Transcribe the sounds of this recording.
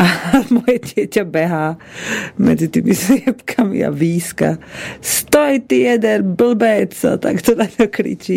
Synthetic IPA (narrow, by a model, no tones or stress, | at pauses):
amɔjɛdɪɛcɛbɛɦaː | mɛ̰d͡zit̪iːmislɪɛpkʰamḭa̰viːska̰st̪ojt̪ɪɛd̪ɛɾbl̩bɛːt͡sa̰t̪a̰kt̪ɔd̪aɔkɾḭt͡ʃi